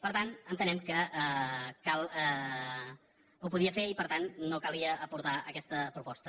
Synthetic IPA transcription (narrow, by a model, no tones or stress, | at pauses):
pəɾt̪anənt̪ənɛmkəəkalˠɛ | upuðiəfeipəɾt̪annokalˠiəːpuɾt̪aəkɛst̪əpɾupɔst̪ə